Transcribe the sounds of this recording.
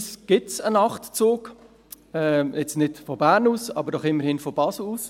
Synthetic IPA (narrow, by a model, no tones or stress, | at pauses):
sɡ̥ɪtsənɑχtt͡suːk | ɛjɛt͡snɪdfɔbæːɾnuːsɑ̰bəɾdɔχɪmːəɾhɪːnfɔbɑsl̩uːs